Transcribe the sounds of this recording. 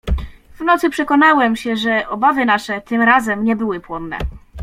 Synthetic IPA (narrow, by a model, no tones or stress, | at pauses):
vnɔt̪sɘpʂɛkɔnawɛmɕɛʐɛʔɔbavɘnaʂɛt̪ɘmɾazɛmɲɛbɘwɘpwɔnːɛ̰